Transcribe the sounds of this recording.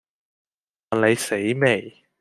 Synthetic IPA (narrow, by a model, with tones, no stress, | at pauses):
a˨nle˨˧jse˨˥jme˨˩j